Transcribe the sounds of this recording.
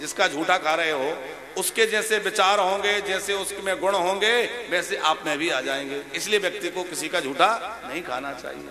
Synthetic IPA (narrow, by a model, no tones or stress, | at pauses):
d͡ʒɪskad͡ʒʱuːʈʰakʰaːɾɐɦeɦoː | ʊsked͡ʒɛːseʋɪt͡ʃaːɾɦõːŋɡed͡ʒɛːseʊskmẽɡʊɽ̃ɦõːŋɡemɛ̃ːseʔaːpmẽbʱiaːd͡ʒaːẽːŋɡeːɪslieʋjɐk̚t̪ikokɪsikad͡ʒʱuːʈʰanɐɦĩkʰa̰ːnat͡ʃa̰ːɦḭjḛː